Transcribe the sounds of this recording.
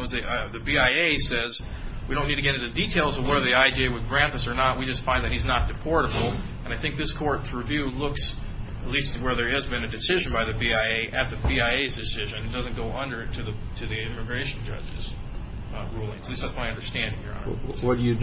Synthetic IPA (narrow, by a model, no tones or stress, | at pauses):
zðiðɨbiaɪeɪsɛz | wiɾõʊ̃nːidtʰɨɡɛɾɪ̃ntɨditʰeɪlˠzʌvwɛðə˞ðiaɪd͡ʒiɪwɨd̚ɡɹæ̃n̚ðɪsə˞nət̚wid͡ʒʌstfãɪ̃nðɨt̚hiznət̚d̥ɨpʰɔɹɾəbl̩ˠ | ɨ̃naɪθɪ̃ŋk̚ðɪskʰɔɹtsɹivjʉlʊks | ətˡlistwə˞ðə˞ɨzbɨ̃nɨdɨsɪʒɨ̃n̩baɪðɨbiaɪeɪʔɨt̪̚ðɨbiaɪeɪzdɨsɪʒɨ̃ñɨt̚d̥ʌzɨ̃nɡ̥oʊʔʌ̃ndə˞ɾɨðɨ | ɾɨðiɪmɨɡɹeɪʃn̩d͡ʒʌ̰d͡ʒɪz̥ | ɹulˠɪ̃ŋzɨtlist̪̚ðætsmaɪʌ̃ndə˞stæ̃ndɪ̃ŋjə̰˞ɑ̰n̰wʌd̥ɨjɨ